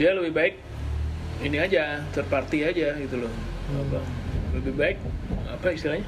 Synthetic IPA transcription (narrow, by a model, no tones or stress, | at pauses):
dialəbɪhbaɪk̚ | iniad͡ʒat̪ərpart̪iad͡ʒaɡit̪ulʊh | apaləbɪhbaɪk̚apaist̪ilahɦɲa